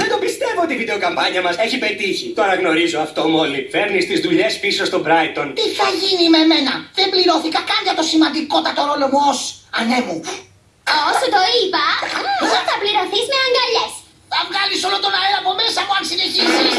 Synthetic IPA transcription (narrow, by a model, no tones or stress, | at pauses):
ðend̪o̞mbist̪e̞voot̪ivid̪e̞okɐmpɐɲɐmɐseçipe̞t̪içit̪o̞ɾɐɣno̞ɾizoɐft̪o̞mo̞life̞ɾnist̪izðuʎe̞spiso̞st̪o̞bɾɐjt̪o̞nt̪iθɐʝinime̞me̞nɐðe̞mbliɾo̞θikɐkɐnʝɐt̪o̞simɐnd̪iko̞t̪ɐt̪o̞ɾo̞lo̞muosɐne̞mu | osot̪oipɐɐθɐpliɾo̞θizmeɐŋɡɐʎes | θɐvɣɐliso̞lot̪o̞nɐeɐpome̞sɐpoɐnsine̞çisis